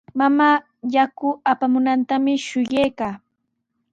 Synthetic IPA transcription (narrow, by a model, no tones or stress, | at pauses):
mamaː | jakʊapamʊnant̪amɪʃʊjejkaː